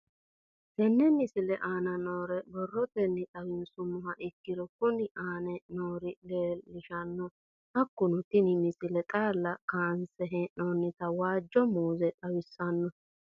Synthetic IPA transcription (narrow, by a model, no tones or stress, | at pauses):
t̪ɛnːɛmɪsɪlɛʔaːnɐnoːɾɛbɔrːɔt̪ɛnːɪt̪ʼɐwɪnsʊmʊhɐʔɪkːɪd̪ɔkʊnɪʔaːnɛnoːɾɪleːlːɪʃɐnːɔ | hɐkːʊnʊt̪ɪnɪmɪsɪlɛt̪ʼaːlːɐkaːnsɛɦɛnoːnːɪt̪ɐwaːd͡ʒːɔmuːzɛt̪ʼɐwɪsːɐnːɔ